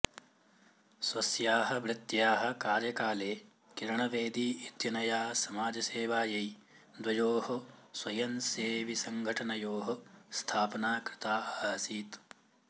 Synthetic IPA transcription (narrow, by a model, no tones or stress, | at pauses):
swɐsjaːɦɐ̆bɾɪt̪jaːɦɐ̆kaːɾjɐkaːleː | kiɾɐɳɐʋeːd̪iːit̪jɐnɐjaːsɐmaːd͡ʒɐseːʋaːjɐj | d̪wʋɐjoːɦɐswɐjɐnseːʋisɐŋɡʱɐʈɐnɐjoːɦɐst̪ʰaːpɐnaːkɾɪ̥t̪aːaːɦɐsiːt̪